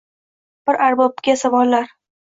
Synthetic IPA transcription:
b̥ɪɾʔaɾbɒp̚ɡʲasavɒlːaɾ

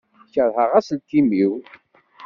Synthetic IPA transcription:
çəðˤhəʁæslt̪imiw

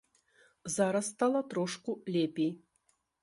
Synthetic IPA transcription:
zaɾɐsːt̪alˠɐt̪ɾɔʂkulʲepʲej

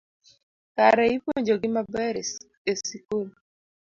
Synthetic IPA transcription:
kaɾɛipoɲd͡ʒoɡɪmabɛɾ | esikul

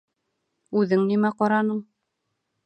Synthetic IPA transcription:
ʉðɘŋnimæqɑɾɑnɤɴ

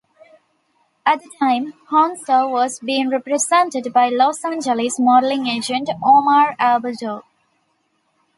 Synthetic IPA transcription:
æʈ̚d̪əʈʰãɪ̃mhɔ̃ːnsəʋɔzbiːɪ̃ŋɾɛpɾezɛ̃ɳʈeɖbaɪlɔːsæ̃nd͡ʒəlɪsmɔːɾlɪ̃ŋeːd͡ʒə̃ɳʈoːmaɾæbəld͡ʒoː

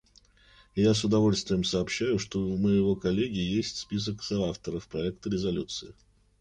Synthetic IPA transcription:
jas̬ʊd̪ɐvo̞lʲst̪vʲɪjəmsəːpɕːæjʊʂt̪o̞məjɪvo̞kɐlʲːeɡʲɪjesʲtʲspʲis̬əksəaft̪əɾəfpɾɐɛk̚t̪əɾʲɪzɐlʲut̪sɨɪ

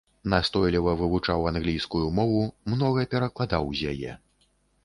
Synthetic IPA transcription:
nast̪ɔjlʲivɐvɨvut͡ʂawanɣlʲijskujumɔvumnɔɣɐpʲɛɾɐklˠad̪awzʲjajɛ̰

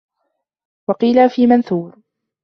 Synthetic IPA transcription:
wɑqiːlafiːmanθuːɾ

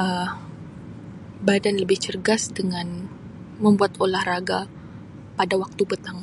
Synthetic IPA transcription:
ʔə | badanləbɪht͡ʃərɡasdəŋan | məmbuat̪olahraɡa | padawak̚t̪ubət̪aŋ

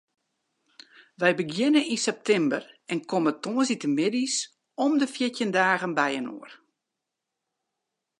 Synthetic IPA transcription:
ʋɛjbəɡjɪnəninsɛp̚tʰɛmbərɛnkʰomətoːəsitəmɪdis | ɔmdəfjɪtjəndaːɣənbɛjəno̰ər

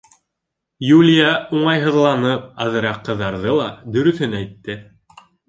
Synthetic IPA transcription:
julʲjauɴɑjɦɤ̆ðlˠɑnɤp̚ɑðɤ̆ɾɑqːɤ̆ðːɑɾðɤlˠɑd̪ɵ̆ɾɵ̆θɵnæjt̪ːɘ

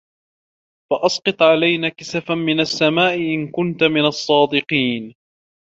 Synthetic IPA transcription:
faʔɑsˤqɨt̪ˤʕalajnaːkɪsafamɪnasːamaːʔɪʔɪnkʊnt̪amɪnɑsˤːɑːd̪ɪqiːn

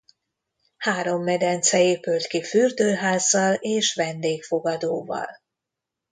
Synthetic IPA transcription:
haːɾo̞mːɛd̪ɛnt̪sɛeːpylt̪kifyrd̪øːɦaːzːɒleːʃʋɛnd̪eːkfo̞ɡɒd̪oːvɒ̰l

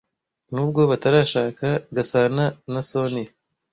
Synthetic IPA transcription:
nuɡobɐt̪ɐɾaʃaːkʰɐɡɐsaːnɐnɐsoːni

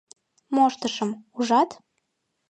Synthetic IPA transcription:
moʃt̪əʃə̆muʒɑt̪

